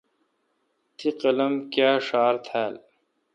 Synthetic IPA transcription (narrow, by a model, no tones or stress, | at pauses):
t̪ʰiqɐlɐmkjaːʂaːɾt̪ʰæːl